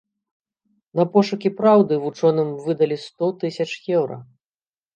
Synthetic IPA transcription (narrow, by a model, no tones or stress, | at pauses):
nɐpɔʂukʲipɾawd̪ɨvut͡ʂɔnɨmvɨd̪ɐlʲist̪ɔt̪ɨsʲɐt͡ʂjɛwɾɐ̰